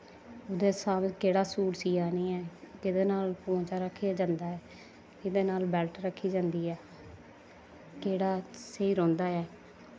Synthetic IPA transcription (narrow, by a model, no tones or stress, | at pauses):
ʊd̪eːsaːmkeːɽaːsuːʈsiːaːnĩːɛːkɪd̪eːnaːlpõːt͡ʃaːɾəkʰːijaːd͡ʒãːnd̪aːɛː | ɪd̪eːnaːlbɛːlʈɾəkʰːiːd͡ʒãːnd̪iːɛː | keːɽaːseiːɾõːnd̪aːɛː